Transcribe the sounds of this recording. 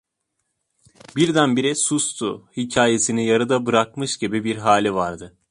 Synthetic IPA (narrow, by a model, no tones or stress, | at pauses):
biɾd̪ænbiɾisust̪ʰuhicʰaːje̞sinijaɾɯd̪abɯɾak̚mɯʃɟibibiɾɦaːlʲivaɾd̪ɯ